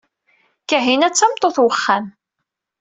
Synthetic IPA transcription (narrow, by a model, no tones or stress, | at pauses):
kaɦinæt͡sːæmt̪ˤːoθwəχːan